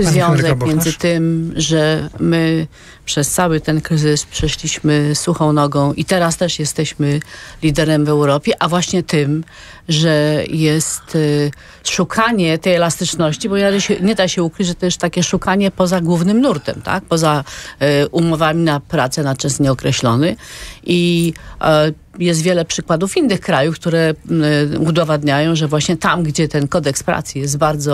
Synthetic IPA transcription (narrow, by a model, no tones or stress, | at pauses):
zvjjɔ̃w̃zzɛk̚mjɛnzɘt̪ɘmʐɛmɘ | pʂɛst̪sawɘt̪ɛnkɾɘzɘspʂɛʂlʲiɕmɘsuxɔ̃w̃nɔɡɔ̃w̃ʔit̪ɛɾast̪ɛʂjɛst̪ɛɕmɘlʲid̪ɛɾɛmvɛwɾɔpʲjɛʔavwaɕɲɛt̪ɪm | ʐɛjɛst̪ | ʂukʰaɲɛt̪ɛjɛlast̪ɘt͡ʂnɔɕt͡ɕibɔɲɛdaɕɛɲɛd̪aɕɛukɾɘd͡ʑʐɛt̪ɔjɛst̪ːakʲɛʂukaɲɛpɔzaɡwuvnɘmnuɾt̪ɛ̰mt̪a̰k̚pɔza | ʔumɔvamʲinapɾat̪sɛnat̪t͡ʂɛsɲɛɔkɾɛɕlɔnɘʔi | jɛst̪vʲjɛlɛpʂɘkwad̪ufinːɘxkɾajufkt̪uɾɛ | ud̪ɔvad̪ɲajɔ̃w̃ʐɛvwaɕɲɛt̪amɡd͡ʑɛt̪ɛnkɔd̪ɛkspɾa̰t̪sjijɛst̪baɾd̪zɔ